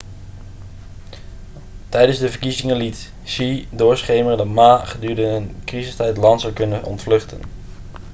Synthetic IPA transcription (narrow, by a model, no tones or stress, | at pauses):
tɛjdənzdəvəɹkizɪŋəlit | sidʊːɹsχejmərdəmaːχədyːɹdəənkrizəstɛjtlɑntsəwkɵnəʔɔ̰ntflɵχtə̰n